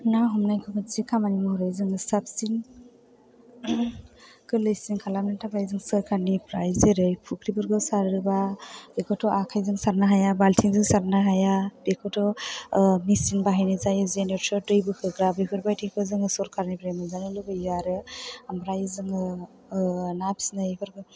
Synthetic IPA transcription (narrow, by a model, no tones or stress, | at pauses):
naɦɔmnajkʰɯmɯsikʰamanimɔhɾɯjzɯŋɯsap̚sin | kʰɯlɯjsiŋkʰalamnatʰabɾajzɯŋsɯɾkʰaɾnipɾajzeɾɯjpʰukʰɾibɯɾɡɔsaɾɾɯbabekʰɔtʰɔʔakʰajzɯŋsaɾnaɦajabaltʰiŋzɯŋsaɾnaɦajab̥ekʰɔtɔ | misinbaɦajnizajɯzeneɾsɔdɯjbɯkʰɯɡɾabekʰɯɾbajtʰikpʰɯzɯŋɯsɔɾkʰaɾnipɾajmɯzanɯlɯbajaɾɯamɾajzɯŋɯ | nap̚snɯjpʰɯɾɡɯ